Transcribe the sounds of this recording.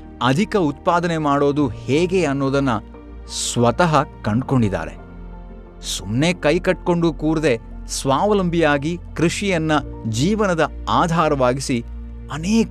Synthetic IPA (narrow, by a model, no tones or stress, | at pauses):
ɐd̪ʱikɐut̪̚paːd̪ɐne̞maːɽo̞ːd̪uheːɡe̞ɐnːo̞ːd̪ɐnːɐ | sʋɐt̪ɐɦɐkɐɳɖko̞ɳɖid̪a̰ːɾe̞̰ | sumne̞kɐjkɐʈ̚ko̞ɳɖukuːɾd̪e̞sʋaːʋɐlɐmbʱijaːɡikɾiʂijɐnːɐd͡ʒiːʋɐnɐd̪ɐ | aːd̪ʱaːɾɐʋaːɡisi | ɐneːk